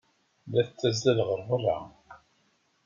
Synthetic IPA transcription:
læθt͡sːæzælʁəɾˤvərˤːɑ̰

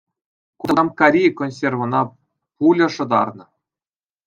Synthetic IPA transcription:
kumkaɾʲijkonʲsʲervɤ̆nɑ | pulʲɤ̆ʂɤ̆d̪ɑ̰rnɤ̆

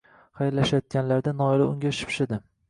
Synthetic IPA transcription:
χajɾlaʃajɒt̪̚kʲanlaɾd̪anɒɪlɪʊŋɡʲaʃɪ̥pʃɪd̪ɪ

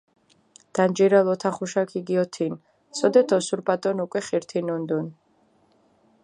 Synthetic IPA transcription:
d̪̥and͡ʒiɾalɔt̪ʰaχuʃakʰiɡiɔt̪ʰin | sɔd̪ɛt̪ʰɔsuɾpʼat̪ʼɔnukʼwɛχiɾt̪ʰinund̪un

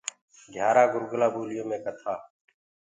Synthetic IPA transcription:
ɡʱjaːɾaːɡʊɾɡlaːbuːlɪjõːmẽːkət̪ʰaː

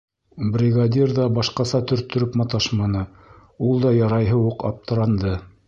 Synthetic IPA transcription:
brʲɪɡad̪ʲirðɑbɑʃqɑsɑt̪ɵ̆ɾt̪ɵ̆ɾɵpmɑt̪ɑʃmɑnɤ | ulˠd̪ɑjɑɾɑjɦɤuqɑ̰p̚t̪ɤ̆ɾɑnd̪ɤ

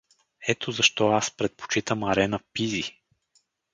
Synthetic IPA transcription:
ɛt̪ʰozɐʃt̪ɔaspɾɛt̪̚po̥t͡ʃit̪əmɐɾɛnəpizi

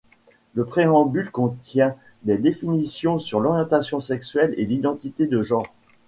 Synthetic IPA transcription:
ləpχeɑ̃bylkɔ̃t̪jɛ̃ | d̪ɛd̪efinisjɔ̃syʁlɔʁjɑ̃t̪asjɔ̃sɛksɥɛlelid̪ɑ̃t̪it̪ed̪əʒɑ̃ːʁ

